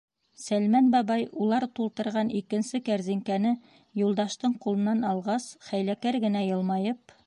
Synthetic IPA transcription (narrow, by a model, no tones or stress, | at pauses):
sælmænbɑbɑjulˠɑɾt̪ulˠt̪ɤ̆ɾʁɑnikɘ̆nsɘkæɾziŋkænɘ | julˠd̪ɑʃt̪ɤɴqulˠɤ̆nːɑnɑlˠʁɑsχæjlækæɾɡɘ̆næjɤ̆lˠmɑjɤp